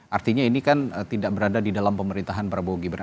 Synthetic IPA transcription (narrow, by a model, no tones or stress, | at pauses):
ʔart̪iɲainikant̪idaʔbəɾadadidalampəməɾint̪aɦanbəɾaboɡibər